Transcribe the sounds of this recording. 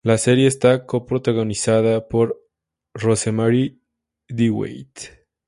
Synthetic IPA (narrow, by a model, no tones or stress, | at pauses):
lase̞ɾje̞ːst̪ako̞pɾot̪aɣo̞nisaðapo̞ɾ | ro̞semaɾi | d̪iwḛjt̪